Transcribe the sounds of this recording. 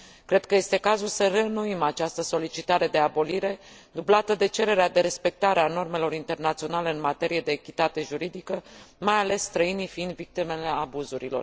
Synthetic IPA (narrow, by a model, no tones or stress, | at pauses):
kɾe̞d̪̥̚kəje̞st̪e̞kazulsərenuimat͡ʃast̪əso̞lit͡ʃit̪aɾe̞d̪e̞abo̞liɾe̞ | d̪ublat̪əd̪e̞t͡ʃe̞ɾe̞ɾead̪e̞ɾe̞spe̞k̚t̪aɾeano̞rme̞lo̞ɾint̪e̞rnat̪sio̞nale̞ɨnmat̪e̞ɾije̞d̪e̞ːkʲit̪at̪e̞ʒuɾid̪ikəmajale̞sːt̪ɾəinijfiind̪vik̚t̪ime̞le̞abuzuɾḭlo̞̰r